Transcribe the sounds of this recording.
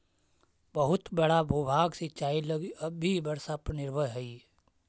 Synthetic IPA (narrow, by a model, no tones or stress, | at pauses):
bəɦʊt̪bəɽ̤abʱuːbʱaːɡsɪt͡ʃaːilɐɡiɐbʱːibɐɽsapənɪɾʋəɦəi